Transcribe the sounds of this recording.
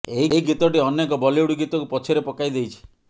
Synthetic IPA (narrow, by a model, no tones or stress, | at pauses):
eɦiɦiɡit̪ɔʈiɔnjekɔbɔliuɽiɡit̪ɔkupɔt͡ʃʰiɾepɔkajd̪ejt͡ʃʰi̥